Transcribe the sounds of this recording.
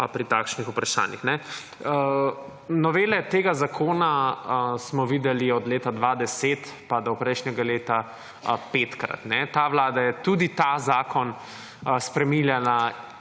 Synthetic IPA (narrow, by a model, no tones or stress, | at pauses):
pɾit̪aːkʃnixupɾaʃa̰ːnixnɛ | nɔʋeːlɛt̪eːɡazakʰoːnasmɔʋid̪ɛliɔd̪leːt̪ad̪ʋad̪ɛset̪ | pad̪ɔpɾɛɪʃnɛɡaleːt̪a | peːt̪kɾa̰t̪nɛt̪aʋlaːd̪ajɛt̪ud̪it̪azaːkʰɔn | spɾɛmiljana